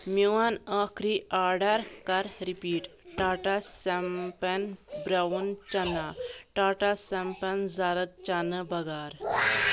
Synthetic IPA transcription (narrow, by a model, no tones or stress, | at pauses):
miʋanakʰɾiaɖaɾkaɾɾipiːʈʈaʈasɛmpɛnbɾaunt͡ɕɐnaʈaʈasɛmpənd͡zaɾət̪̚t͡ɕanəbɐɡaɾ